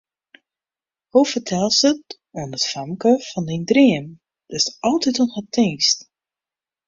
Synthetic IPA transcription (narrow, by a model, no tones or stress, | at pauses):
huwfətʰɛlˠsət | onətfamkəfɔndindriəm | d̥ɪsɔlˠtitɔnhətʰiŋst